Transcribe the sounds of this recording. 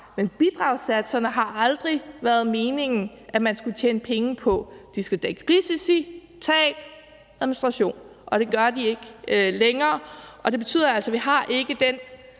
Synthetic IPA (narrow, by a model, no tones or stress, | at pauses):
menb̥id̥ʁɑ̈ʊsæd̥sɐnəɦɑ̈ʔɑ̈ld̥ʁiʋæɐð̞̩ˠme̝ːne̝ŋn̩ | ʔæmænsɡ̥ut͡ɕʰḛːnəpʰeŋəpʰɒ̽d̥isɡ̥æd̥eɡ̥əʁisisi | t͡sʰɛ̰ːd̥ | ʁɛð̩minisd̥ʁɑ̈ɕo̝̰ːnʔɒ̽ɾ̥e̝ɡ̥ɶɐd̥ie̝ɡ̥leŋɐːʔɒ̽d̥e̝b̥e̝t͡sʰy̰ð̰ˠɐælsɐʋiɦɑ̈ʔe̝ɡ̥əd̥en̰